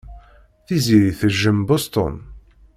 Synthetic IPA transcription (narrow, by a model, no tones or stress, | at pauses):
θiziɾiθəʒːəmbost̪ɔ̰n